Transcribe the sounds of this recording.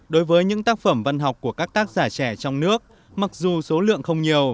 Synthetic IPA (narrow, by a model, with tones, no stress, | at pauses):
ɗo˨˦jvəː˨˦jɲɨ̰˧˥ŋt̪aː˦˥k̚fə˧˩mva˧nɦɔ˨˩wk͡p̚ku˧˩əkaː˦˥k̚t̪aː˦˥k̚zaː˧˩t͡ɕɛ˧˩t͡ɕɔ˧wŋ͡mnɨ˦˥ək̚ | ma˨˩k̚zu˨˩so˨˦lɨ̰˧˨əŋxə˧wŋ͡mɲi˨˩əw